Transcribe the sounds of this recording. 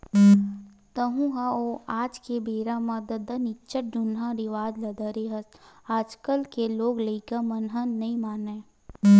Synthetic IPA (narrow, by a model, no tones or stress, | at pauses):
t̪əɦũɦaoːaːd͡ʒkebeːɾamɐd̪əd̪ənɪtːt͡ʃəʈ̚d͡ʒʊnãɾiʋaːdlɐd̪əɾeɦɐsaːd͡ʒkəlkeloːɡleikəmɐnɦə̃nɐimaːneː